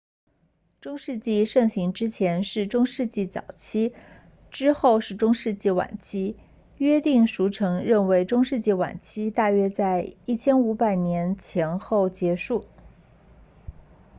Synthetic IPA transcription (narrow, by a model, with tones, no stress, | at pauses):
ʈ͡ʂʊ˥ŋʂɻ̩˥˧t͡ɕi˥˧ʂɤ˥˩ŋɕi˧˥ŋʈ͡ʂɻ̩˥t͡ɕʰjɛ˧˥nʂɻ̩˥˩ʈ͡ʂʊ˥ŋʂɻ̩˥˧t͡ɕi˥˩t͡sɑ̰˨˩ʊt͡ɕʰi˥ | ʈ͡ʂɻ̩˥xo˥˧ʊʂɻ̩˥˩ʈ͡ʂʊ˥ŋʂɻ̩˥˧t͡ɕi˥˩wa̰˨˩nt͡ɕʰi˥ | ɥɛ˥t̪i˥˩ŋʂu˧˥ʈ͡ʂʰɤ˧˥ŋɻə˥˩nwe˧˥ɪʈ͡ʂʊ˥ŋʂɻ̩˥˧t͡ɕi˥˩wa̰˨˩nt͡ɕʰi˥t̪a˥˩ɥɛ˥t͡sa˥˧ɪi˥˩t͡ɕʰjɛ˥nu˧˥pa˨˩ɪnjɛ˧˥nt͡ɕʰjɛ˧˥nxo˥˩ʊt͡ɕjɛ˧˥ʂu˥˩